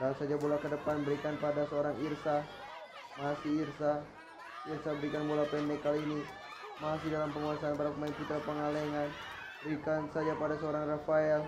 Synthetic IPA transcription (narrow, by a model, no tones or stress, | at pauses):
rausad͡ʒabolakədəpanbəɾikanpadasəoɾaŋirsah | masiirsa | irsabəɾikanbolapɛndɛkːaliːni | masihdalampəŋuasaːnbaɾak̚mainput̪ɾapəŋaleŋan | bəɾikansad͡ʒapadasəoɾaŋrafaɛl